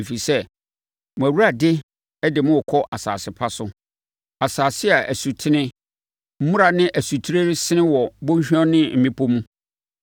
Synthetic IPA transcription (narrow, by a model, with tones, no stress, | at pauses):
e˨fi˨sɛ˦ | mʊ̃˨æ˨wu˦ɾa˨dɪ˦ | ɛ˦dɪ˨mʊ̃˦ɔ˨kʰɔ˦ʔa˨sa̰ː˨sɪ˨pʰa˦sʊ˦ | a˨saː˨sɪ˦a˨ʔæ˨su˨tʰɪ˦nɪ̃˦ | m̩˦mũ˦ɾa˨nɪ̃˦ʔæ˨su˨tʰi˦ɾe˦ɾɪ˦sɪ˦ɪ̃˦wɔ˨bʊ̃˦ɕᶣɔ̃˦nɪ̃˦m̩˨mĩ˦pʰo˦mũ˦